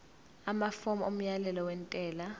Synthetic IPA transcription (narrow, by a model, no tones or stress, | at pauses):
amafɔmɔom̩jalɛlɔwɛntʼɛːla